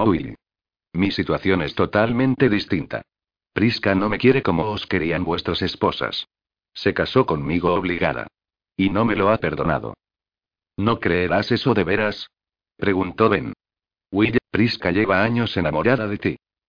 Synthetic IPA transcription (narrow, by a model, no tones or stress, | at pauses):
owiʎ | misit̪waθjo̞ne̞st̪o̞t̪almẽ̞nt̪e̞ðist̪int̪a̰ | pɾiskano̞me̞kje̞ɾe̞ko̞mo̞oske̞ɾianbwe̞st̪ɾase̞spo̞sa̰sː | e̞kaso̞ko̞nmiɣ̞oːβ̞liɣa̰ða̰ | ino̞me̞lo̞ape̞ɾðo̞na̰ðo̰ | no̞kɾeeɾase̞so̞ðe̞βe̞ɾas | ppɾe̞ɣ̞unt̪o̞βen | wiʎpɾiskaʎe̞βaaɲo̞se̞namoʎaðaðe̞t̪i